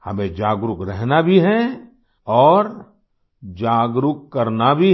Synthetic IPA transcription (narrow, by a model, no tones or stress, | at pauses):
hɐ̰mẽd͡ʒaːɡɾʊkɾɛɦnabʱiɦɛ | ɔːɾ | d͡ʒaːɡɾʊkkːɐɾnabʱi